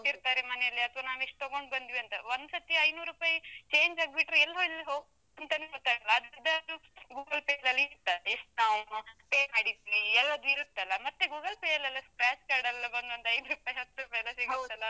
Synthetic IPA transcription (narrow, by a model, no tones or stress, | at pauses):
iɾt̪aːɾemɐnɛjɐlːiɐt̪ʰʋaːnaːʋeʂʈ̚t̪oɡo̞ɳɖbɐnd̪iʋiɐnt̪ɐʋond̪sɐt̪jɐɐjnuːɾɾupaːjɐt͡ʃe̞ːɲd͡ʒaːɡbiʈɾuɛlːɦolːiɦoːɡ | nt̪ɐnekot̪ːaːɡɐlːɐːd̪ɾd̪ːɐɐd̪uɡuːɡɐlpejɐlɐlːiit̪ːɐeʂʈnaːmpeːaːɽit̪iʋiɛlːɐd̪uiɾut̪ːɐlːɐmɐt̪ːeɡuːɡɐlpejɐlɐlːɐskɾaːt͡ʃkaːɾɖɐlɐbɐnd̪ʋɐnd̪ɐjd̪ɾupaːjɦɐt̪ːɾupaːjɐlɐseɡit̪ːɐlːɐ